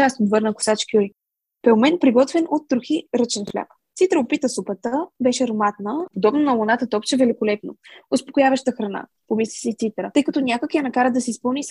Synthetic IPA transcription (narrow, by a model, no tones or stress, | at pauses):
asnot̪vɤɾnəkʊ̥sat͡ʃkʲiɔj | pɛlmɛnpɾiɡɔt̪vɛnʔot̪ːɾʊxiɾət͡ʃɛnflʲa̰k | t̪sit̪ɾəʊpit̪əsupət̪əbɛʃɛɾomat̪nəod̪ɔbnonɐlˠʊnat̪ət̪ɔpt͡ʃɛvɛlikolɛpno̰ʊspokʊjavəʃt̪əxɾɐna̰ | pomislisɛt̪sit̪ɾətɤjkɐt̪ɔnʲakəkijanɐkaɾəd̪ɐsɛispɤlˠnis